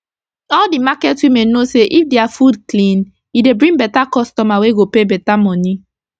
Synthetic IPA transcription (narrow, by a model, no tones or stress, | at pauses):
ɔldimakɛtwimenoseʔifdeafudklĩn | jidebɹĩŋbɛtakɔstɔmaweɡopebɛtamɔ̃ni